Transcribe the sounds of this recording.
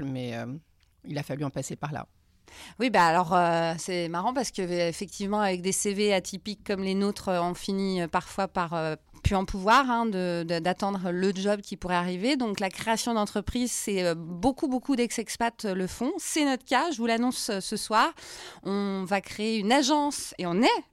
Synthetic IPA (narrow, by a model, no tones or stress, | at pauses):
mɛ̰ø̰ | ilafalyɑ̃pasepaʁla̰ | wibaːlɔʁøsɛmaʁɑ̃paʁsə̥kəefɛk̚t̪ʰivmɑ̃avɛk̚d̪eseveat̪ʰipikːɔmlenot̪χøɔ̃finiøpaʁfwapaʁø | pyɑ̃puvwaʁɛ̃d̪əd̪əd̪at̪ɑ̃d̪ʁələd͡ʒɔbkʲipuʁɛaʁived̪ɔ̃klakχeasjɔ̃d̪ɑ̃t̪χəpχizsɛøbokubokud̪ɛksɛkspat̪ləfɔ̃sɛnɔt̪χkʲaʒəvulanɔ̃søsəswaːʁɔ̃vakχeːynaʒɑ̃seɔ̃nɛ